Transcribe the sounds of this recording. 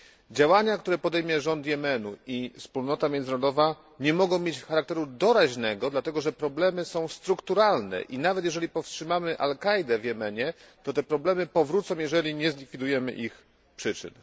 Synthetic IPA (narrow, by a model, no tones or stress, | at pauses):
d͡ʑawaɲakt̪uɾɛpɔd̪ɛjmʲjɛʐɔnt̪jɛmɛnuifspulnɔt̪amʲjɛnd̪zɾɔd̪ɔva | ɲɛmɔɡɔ̃w̃mʲjet͡ɕfxaɾakt̪ɛɾud̪ɔɾaʑnɛɡɔd̪lat̪ɛɡɔʐɛpɾɔblɛmɘsɔ̃w̃st̪ɾukt̪uɾalnɛ̰ʔinavɛt̪jɛʐɛlʲipɔfstʂɘmamɘʔa̰lkajd̪ɛvjɛmɛɲɛt̪ɔt̪ɛpɾɔblɛmɘpɔvɾut̪sɔ̃w̃jɛʐɛlʲiɲɛzlʲikfʲid̪ujɛmɘ̰ʔix | pʂɘt͡ʂɘ̰n